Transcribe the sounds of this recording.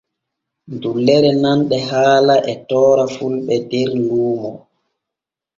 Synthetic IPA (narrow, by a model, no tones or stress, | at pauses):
ndulːɛɾɛnanɗɛɦaːlaʔɛtɔːɾafulɓɛdɛɾluːmɔ